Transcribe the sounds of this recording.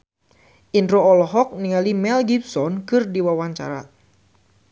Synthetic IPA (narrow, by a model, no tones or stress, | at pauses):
ʔindɾoɔlɔɦɔk̚niŋalimɛlɡip̚sɔnkɨrdiwawaɲt͡ʃa̰ɾa̰